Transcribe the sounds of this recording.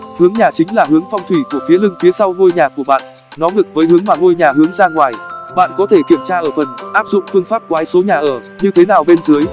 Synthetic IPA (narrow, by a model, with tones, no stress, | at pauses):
hɨ˨˦əŋɲaː˨˩t͡ɕï˨˦ŋ̟laː˨˩ɦɨ˨˦əŋfɔ˧wŋ͡mt̪ʰwi˧˩ku˧˩əfi˨˦əlɨ˧ŋfi˨˦əsa˧wŋo˧jɲaː˨˩ku˧˩əɓa̰ː˧˨n | nɔ˨˦ŋɨ˨˩k̚vəː˨˦jɦɨ˨˦əŋmaː˨˩ŋo˧jɲaː˨˩hɨ˨˦əŋzaː˧ŋwaː˨˩jɓa̰ː˧˨nkɔ˨˦t̪ʰe˧˩ki˧˩əmt͡ɕaː˧ʔəː˧˩fə˨˩nʔaː˦˥p̚zʊ̰˧˨ŋ͡mfɨ˧əŋfaː˦˥p̚ku˩˨haː˨˦jso˨˦ɲaː˨˩ʔəː˧˩ | ɲɨ˧t̪ʰe˨˦naː˨˩wɓe˧nzɨ˨˦əj